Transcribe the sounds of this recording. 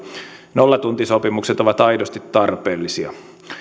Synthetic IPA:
nolːɑt̪unt̪isopimukset̪oʋɑt̪ɑidost̪it̪tɑrpeːlːisiɑ̰

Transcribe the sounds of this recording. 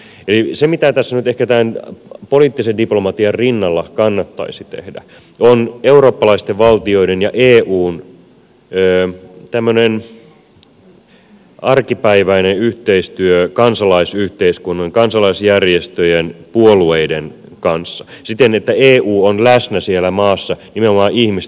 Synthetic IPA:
elisemit̪æt̪æsːænyt̪ehkæt̪æːnpoliːt̪ːisendiplomɑt̪iɑrrinːɑlːɑkɑnːɑt̪ːɑ̰isit̪ḛhdæ̰ | oneuro̞ːpːɑlɑist̪eʋʋɑlt̪io̞idenjɑʔeːʔuːn | øːt̪æmːønen | ɑrkipæiʋæineyht̪eist̪yøkɑnsɑlɑisyht̪eiskunːɑŋkɑnsɑlɑisjærjest̪øjenpuolueiden | kɑnsːɑsit̪enet̪ːæeːʔuːonlæsnæsielæmɑːsːɑnimenomɑːʔihmis

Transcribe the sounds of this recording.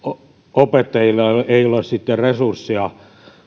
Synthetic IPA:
o | opet̪ːɑjilːɑeiolessit̪ːerresursːiɑ

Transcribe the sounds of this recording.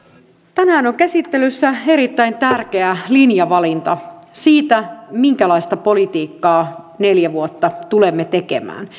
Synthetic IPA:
t̪ænæːnoŋkæsit̪ːelysːæeɾit̪ːæint̪ærke̞ælinjɑʋɑlint̪ɑsiːt̪æmiŋkælɑist̪ɑpo̞lit̪iːkːɑː | ne̞ljæʋuot̪ːɑt̪ulemːet̪e̞kḛmæ̰ːn

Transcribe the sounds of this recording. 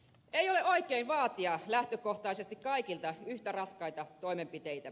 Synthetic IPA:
eijoleoikˑeinʋɑːt̪iɑlæht̪økoht̪ɑisest̪ikkɑikilt̪ɑyht̪ærɑskɑit̪ɑt̪oimempit̪eit̪æ

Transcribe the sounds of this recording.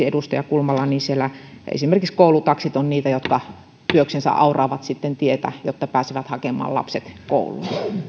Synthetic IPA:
iedust̪ɑjɑkulmɑlːɑniːnsielːæḛsimerkikskoˑulut̪ɑksit̪onniːt̪æjot̪kɑ | t̪yøksensæ̰ʔɑ̰urɑːʋɑt̪sit̪ːent̪iet̪æ̰jot̪ːɑpæːseʋæt̪hɑkemˑɑ̰ːlɑ̰pset̪ko̰ˑulṵɑ

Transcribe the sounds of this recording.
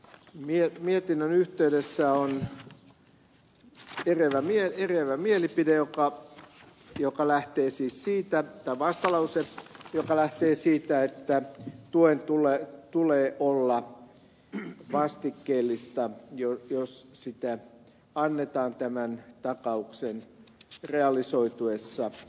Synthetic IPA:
miemiet̪inːønyht̪eydesːæon | ereʋæmieereʋæmielipidejokɑ | jokɑlæht̪eːsiːssiːt̪æt̪ɑiʋɑst̪ɑlɑusejokɑlæht̪eːsiːt̪æet̪ːæt̪uent̪ulet̪uleːʔolːɑ | ʋɑst̪ikːeːlːist̪ɑjojossit̪æ | ɑnːet̪ɑːnt̪æmænt̪ɑkɑuksenreɑlisoit̪uesːɑ

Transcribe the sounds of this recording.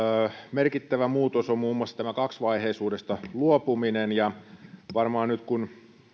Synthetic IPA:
merkit̪ːæʋæmuːt̪osommuːmːuoɑlsːɑ̥t̪æmækɑksʋɑiheisuːdest̪ɑluopuminenjɑʋɑrmɑːnnyt̪kun

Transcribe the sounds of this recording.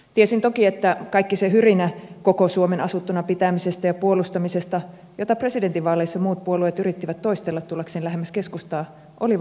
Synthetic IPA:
t̪iesint̪okiet̪ːækɑikːisehyrinækokosuomenɑsut̪ːunɑpit̪æmisest̪æjɑpuolust̪ɑmisest̪ɑ | jot̪ɑpre̞sident̪iʋɑːleisːɑmuːt̪̚puoluet̪yrit̪ːiʋæt̪t̪ːoist̪elːɑt̪t̪ːulːɑkseːnlæɦemːæskeskust̪ɑː | ʔo̰li

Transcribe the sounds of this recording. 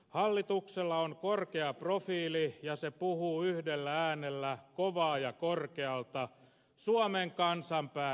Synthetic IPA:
hɑlːit̪ukselːɑoŋkorkeɑprofiːlijɑsepuhuːyhdelːææːnelːækoʋɑːjɑkorkeɑlt̪ɑ | suomeŋkɑnsɑmpæː

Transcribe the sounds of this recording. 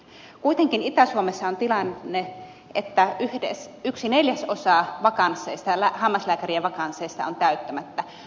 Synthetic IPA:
kuit̪eŋkinit̪æsuomesːɑont̪ilɑnːe | ʔet̪ːæyhdḛsyksineljæsosɑːʋɑkɑnsˑeːˑist̪ɑlæhɑmːɑslæːkæriæʋɑkɑnsˑeːst̪ɑ̰ont̪æyt̪ːømæt̪ːæ

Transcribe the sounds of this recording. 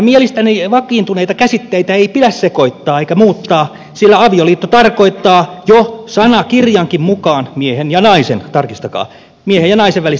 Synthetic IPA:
mielist̪æniʋɑkˑiːnt̪uneit̪ɑkæsit̪ːeit̪æeipidæssekoit̪ːɑːeikæmuːt̪ːɑː | silːæɑʋioliːt̪ːot̪ɑrkoit̪ːɑːjosɑnɑkirjɑŋkimmukɑːnmiehenjɑnɑisent̪ɑrkist̪ɑkɑ̰ː | miehejjɑnɑiseʋʋælis

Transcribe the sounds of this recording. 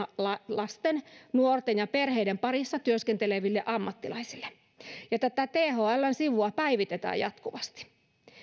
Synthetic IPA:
lɑlɑst̪ennuort̪enjɑperheijdempɑrisːɑt̪yøskent̪eleʋilːeʔɑmːɑt̪ːilɑisilːe̥ | jɑt̪æt̪æt̪eːhoælːænsiʋuɑpæiʋit̪et̪æ̰ːjɑt̪kuʋɑst̪i̥

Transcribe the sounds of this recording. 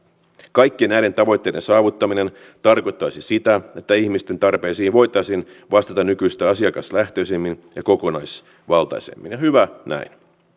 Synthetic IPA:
kɑjkːienæjde̞nt̪ɑʋo̞jt̪ːeːde̞nsɑːʋut̪ːɑmine̞n | t̪ɑrko̞jt̪ːɑjsisit̪æe̞t̪ːæihmist̪e̞nt̪ɑrpe̞ːsiːnʋo̞jt̪ːˑɑsin | ʋɑst̪ɑt̪ɑnykyjst̪æɑsiɑkɑst̪læht̪ø̞isemːinjɑko̞ko̞nɑjs | ʋɑlt̪ɑ̰jsḛmːinjɑhyʋænæ̰in

